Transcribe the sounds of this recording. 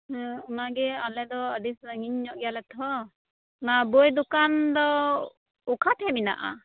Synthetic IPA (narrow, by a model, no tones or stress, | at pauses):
unaɡɛalɛd̪ɔːdisəŋiɲɲɔʔɡɛjalɛt̪ʰɔ | nabɔjd̪ukand̪ɔ | ukʰat̪ʰɛmina̰ʔa̰